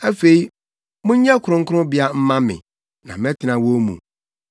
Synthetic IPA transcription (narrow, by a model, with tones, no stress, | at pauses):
æ˦fe˨i˦ | mʊ̃˦ɲ˦ɲɛ̃˦kʰʊ˨ɾʊ̃˦ŋ̩˦kʰʊ˦ʊ̃˦bɪ˦a˦m̩˦mã˦mɪ̰̃˨ | nã̰˨mɛ̃˦tʰɪ˨nã˨wo˦mṵ̃˨